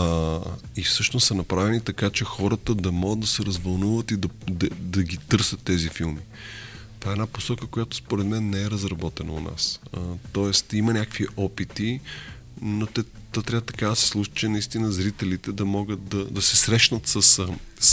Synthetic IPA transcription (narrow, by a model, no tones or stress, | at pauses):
ifsɤʃnost̪sɐnɐpɾavɛnit̪ɐkat͡ʃɛxɔɾət̪əd̪ɐmɔɡəd̪d̪ɐsɛɾɐzvɐlˠnuvət̪id̪ɐd̪ɐd̪ɐɡit̪ɤɾsət̪ːɛzifilˠmi | t̪ovaɛnaposɔkəkojat̪ʊ̥spoɾɛd̪mɛnːɛɛɾɐzɾɐbɔt̪ɛnəʊ̰na̰st̪ɔɛst̪imɐnʲakəkviʔɔpit̪i | not̪ɛ | t̪ːɔt̪ɾʲavət̪ɐ̥kad̪ɐsɛ̥slˠuʃə̥t͡ʃɛnɐist̪inəzɾit̪ɛlit̪ɛd̪ɐmɔɡət̪̚d̪ɐd̪ɐsɛsɾɛʃnət̪səs